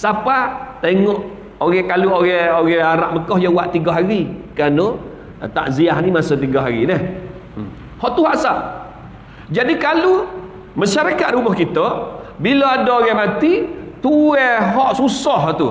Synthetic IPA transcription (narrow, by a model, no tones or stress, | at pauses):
sapat̪eŋɔʔ | oɣɛkaluoɣɛoɣɛaɾaʔməkɔhjawaʔt̪iɡaɦaɾikano | t̪a̰ʔziaɦnimasot̪iɡɔɦaɾinəh | hɔʔt̪uɦaʔsaʔ | d͡ʒadikalu | maʃaɾakat̪̚ɾumɔhkit̪əbiloadɔoɣɛmat̪it̪uɛɦɔʔsusɔɦt̪u